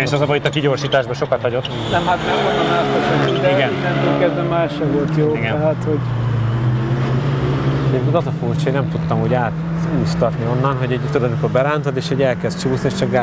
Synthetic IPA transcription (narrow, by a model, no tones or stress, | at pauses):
eːʃɒzɒbɒit̪ːɒkiɟo̞rʃiːt̪aːʒbɒʃo̞kɒt̪hɒɟo̞t̪ː | nɛmɦat̪nɛonːɒɛsɛsɛɛiɡɛnnɛmekɛzɛmaːʃɛvo̞lt̪joːiɡɛɛɦat̪hoɟ | ɛɟeːp̚kʲinɒzɒfuːrt͡ʃonɛmt̪ut̪ːɒmɦoɟaːt̪ | uːst̪ɒt̪nio̞nːɒnɦo̞ɟɛɟt̪od̪ɒmiko̞rbɛɾaːnt̪od̪eːʃhɛɟɛlkɛst̪t͡ʃuːsnieːʃt͡ʃɒka